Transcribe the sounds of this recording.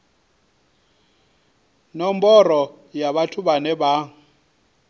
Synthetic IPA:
nɔmbɔrɔjaβatʰuβanɛba

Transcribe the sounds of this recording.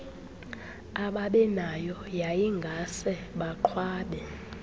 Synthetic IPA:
aɓaɓɛnajɔjajiŋɡʱasɛɓaǃʰwaːɓɛ

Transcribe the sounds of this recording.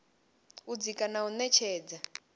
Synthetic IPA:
ud͡zikʼanaunɛt͡ʃʰɛːd͡za

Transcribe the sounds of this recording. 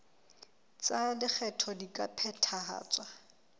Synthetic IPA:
t͡sadɪk͡xʰɛtʰɔdikʼapʰɛtʰaa̰ːt͡sʼwa

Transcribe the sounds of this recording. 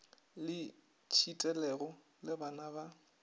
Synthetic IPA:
lɪ | t͡ʃʰitʼɛlɛɣɔ | lɪbanaba

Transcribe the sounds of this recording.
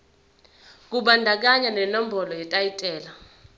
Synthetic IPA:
k̬uɓandʱak̬aɲanɛnɔm̩bʱɔlɔjɛtʼajitʼɛːla

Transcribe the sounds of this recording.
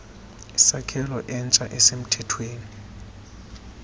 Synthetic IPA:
isakʰɛlɔʔɛnt͡ʃʼaʔɛsem̩tʰɛtʰweːni

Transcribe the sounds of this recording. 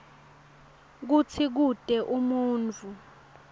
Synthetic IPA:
k̬ut͡sʰik̬ud̥ʼʱɛʔumuːnt͡fu

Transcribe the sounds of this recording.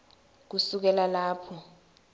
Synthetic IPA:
k̬usuk̬ɛlalaːpʰɔ

